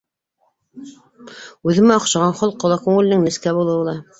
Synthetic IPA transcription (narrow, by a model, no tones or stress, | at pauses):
ʉðɘ̆mæoqʃɑʁɑnχolˠqːolˠɑkʉŋɘ̆lɘ̆nɘŋnɘ̆skæbulˠɤ̆wɤ̆lˠɑ